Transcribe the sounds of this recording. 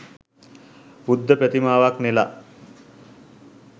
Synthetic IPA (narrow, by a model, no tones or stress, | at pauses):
bud̪ːəpæt̪imaːʋaknela